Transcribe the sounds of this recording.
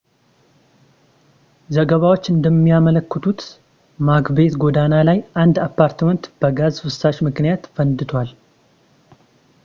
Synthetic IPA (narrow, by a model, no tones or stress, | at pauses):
zəɡəβawot͡ʃːɨnd̪əmːijamələkːət̪ʰut̪ | maɡbe̞t̪ɡod̪analajand̪apːaɾt̪mənt̪b̥əɡazfɨsːaʃmɨknijat̪fənd̪ɨt̪ʰwal